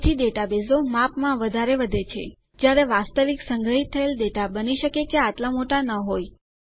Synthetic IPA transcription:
t̪ʰid̪eʈabezomapmãʋəd̪ʱaɾeʋəd̪ʱet͡ʃʰḛ | d͡ʒjaɾeʋast̪əʋiksəŋɡʱəɦit̪ʰːəeld̪eʈabəniʃəkekeat̪lamoʈanəɦoj

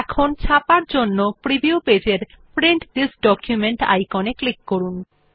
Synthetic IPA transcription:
ɛkʰont͡ɕʰapaɾd͡ʑonːopɾibiuped͡ʑeɾ | pɾeɳʈd̪isɖɔkjumeɳʈa̰jkɔneklikːoɾun

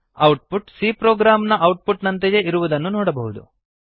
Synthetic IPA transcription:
ɐwʈ̚puʈsiːpɾoːɡɾaːmnɐʔɐwʈ̚puʈnɐnt̪ejeiɾuʋud̪ɐnːunɔːɽɐbɐɦud̪ṵ

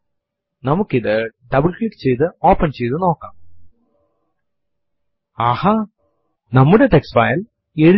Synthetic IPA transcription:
nɐmukːiðɨɖɐbɨlklikːt͡ɕe̞jt̪ɨo̞ːpːɐnt͡ɕejt̪uɨno̞ːkːaːm | aːha | nɐmːuɽe̞ʈeksfaːjɐl | eɻ

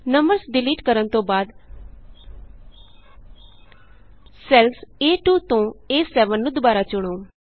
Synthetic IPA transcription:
nəməɾsɖɪliːʈkəɾənt̪õːbaːd̪ | sɛlseːʈuːt̪õːeːsɛːʋənːũːd̪ʊbaːɾaːt͡ʃʊɽ̃oː

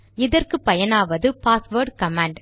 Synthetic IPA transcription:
ɪðɐrkɯpɐjɐnaːʋɐðɯpaːsʋoːɾɖkɐmaːɳɖ

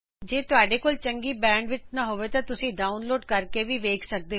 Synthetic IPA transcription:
d͡ʒeːt̪ʊaːɖeːkoːlt͡ʃəŋɡiːbɛ̃ːɳɖʋɪt͡ʃnaːɦoːʋeːt̪ãːt̪ʊsĩːɖaːʊnloːɖkəɾkeːʋiːʋeːkʰsək̚d̪eː

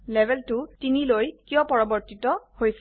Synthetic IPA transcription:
lɛbʱɛltutinilojkijɔ̃pɔɹɔbɔɹtitɔhojs

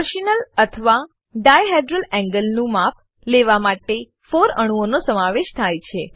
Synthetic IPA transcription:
əɾʃinələt̪ʰəʋa | ɖajɦeɖɾəlɛ̃ŋɡəlnũmap̚ | leʋamaʈe | foɾə̰ɽ̃ũonosəmaʋeʃt̪ʰajt͡ʃʰe

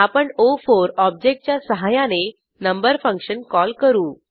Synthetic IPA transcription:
apəɳofoɾɔb̚d͡ʑek̚ʈ̚t͡ɕjasəɦajãne | nəmbəɾfə̃ŋkɕənkɔlkəɾuː

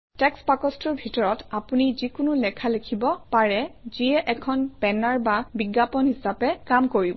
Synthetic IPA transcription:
tɛkspakɔstɔɹbʱitɔɹɔtapunizikʊnulɛkʰalekʰibɔpaɹɛziɛʔɛkʰɔnpɛnaɹbabiɡːapɔnhisapɛkamkoɹibɔ

